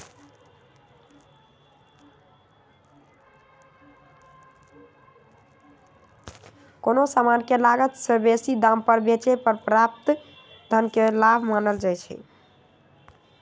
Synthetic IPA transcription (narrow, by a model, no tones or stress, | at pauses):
konosamankelaɡət̪səbesid̪ãmpəɾbet͡ʃepəɾpɾap̚t̪ | d̪ʱənkelabʱmanəld͡ʒajt͡ʃʰɛ̰